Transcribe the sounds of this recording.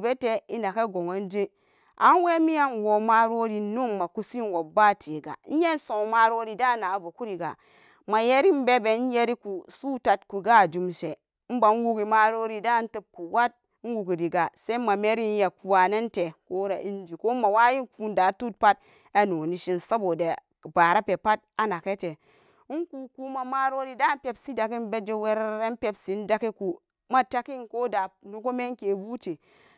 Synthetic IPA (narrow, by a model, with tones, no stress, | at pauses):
be˦te˦i˦na˨ka˦ɡo˨ŋa˦n˦d͡ʒe˦ | ʔa˨˦n˦we˦mi˦ja˦nwo˨ma˦ɾo˦ɾi˨˦nu˦ma˨ku˦si˦n˨wo˨ba˦tʰe˨ɡa̰˨˦n̩˦je˦n˦sõ˨ma˦ɾo˦ɾi˨da˦˨na˨bo˨ku˦ɾi˨ɡa̰˨ | ma˨je˦ɾi˦m˦be˦be˨˦je˦ɾi˦ku˨su˦ta˨tku˨ɡa˦˨d͡ʒu˨mʃe˨ | m̩˦ba˨˦n˦ɡu˦ki˨ma˦ɾo˦ɾi˦da˦n̩˦tə˦b̚ku˨wa˦t̚n̩˦ɡu˨ɡi˨ɾi˨ɡa˨se˦ma˨me˦ɾi˦n˦ja˨ku˨wa˨ne˦nte˨ko˦ɾa˨ʔi˦n˦d͡ʒi˨ko˦ma˨wa˦ji˦ku˦nda˨˦tu˦t̚pa˦t̚ | a˦no˨ni˨ʃi˦n˨sa˦bo˨de˨ | ba˨ɾa˦pe˨pa˦t̚a˦na˨ke˦te˨˦ | ŋ˦ku˦˨ku˦ma˨ma˦ɾo˦ɾi˦da˦pe˦bsi˦da˨ki˦m˦be˦d͡ʒe˦we˦ɾɾe˦m˦pe˦bsi˨˦n˦da˦ki˦ku˨ | ma˦ta˦ki˦nko˦da˨nu˦ko˦me˦ŋ˦ke˨bu˦te˨